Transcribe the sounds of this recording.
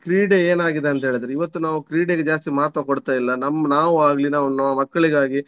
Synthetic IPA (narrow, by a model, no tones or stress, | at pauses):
kɾiːɖeeːnaːɡid̪eɐnt̪ɐɦeːɭid̪ɾiʋɐt̪ːunaːʋukɾiːɖeɡed͡ʒaːs̬t̪imaːt̪ɾɐkoɽt̪ːaːjilːɐnɐmːɐnaːʋuaːɡɐlinaːʋunɐmːɐmɐkːɐɭiɡaːɡi